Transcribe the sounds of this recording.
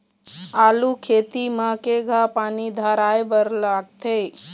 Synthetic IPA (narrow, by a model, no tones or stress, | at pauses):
aːlukʰeːt̪imakeɡʱapaːnid̪ʱaːɾaːjbəɾlaːɡt̪ʰeː